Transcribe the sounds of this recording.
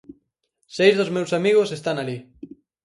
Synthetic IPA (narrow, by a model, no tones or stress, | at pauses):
sejzðozmewsamiɣ̞osest̪anali